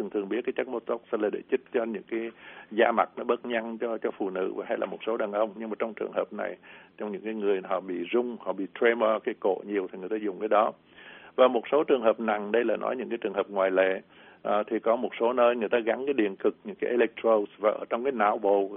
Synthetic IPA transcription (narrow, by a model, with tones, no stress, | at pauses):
ɨ˨˩ŋt̪ʰɨ˨˩əŋɓi˦˥t̚kaː˨˦jt͡ɕə˦˥k̚mo˧t̪o˦˥k̚slaː˨˩ɗe˧˩t͡ɕi˦˥t̚t͡ɕɔ˧ɲɨ̰˧˥ŋkaː˨˦jzaː˧ma˨˩t̚nɔ˨˦ɓə˦˥t̚ɲa˧nt͡ɕɔ˧t͡ɕɔ˧fṵ˧˨nɨ̰˧˥vaː˨˩ɦa˧jlaː˨˩mo˨˩t̚so˨˦ɗaː˨˩nʔə˧wŋ͡mɲɨ˧ŋmaː˨˩t͡ɕɔ˧ŋ͡mt͡ɕɨ˨˩əŋhəː˨˩p̚na̰˨˩jt͡ɕɔ˧wŋ͡mɲɨ̰˧˥ŋkaː˨˦jŋɨ˨˩əjɦɔ̰˧˨ɓḭ˧˨zʊ˧ŋ͡mhɔ̰˧˨ɓḭ˧˨t̪ɾe˧məː˧kaː˨˦jko̰˧˨ɲi˨˩əwt̪ʰi˨˩ŋɨ˨˩əjt̪aː˧zʊ˨˩ŋ͡mkaː˨˦jɗɔ˨˦ | vaː˨˩mo˨˩t̚so˨˦t͡ɕɨ˨˩əŋɦəː˨˩p̚na˨˩ŋɗə˧jla̰ː˨˩nɔ̰˨˦jɲɨ̰˧˥ŋkaː˨˦jt͡ɕɨ˨˩əŋɦə˨˩p̚ŋwaː˨˩jlḛ˧˨ | ʔt̪ʰi˨˩kɔ˨˦mo˨˩t̚so˨˦nəː˧jŋɨ˨˩əjt̪aː˧ɣa˨˦nkaː˨˦ɗḭ˧˨ənkɨ˨˩k̚ɲɨ̰˧˥ŋkaː˨˦jʔe˧lɛ˦˥k̚t̪ro˧svaː˨˩ʔəː˧˩t͡ɕɔ˧wŋ͡mkaː˨˦jna̰ː˧˩˨wɓo̰˧˨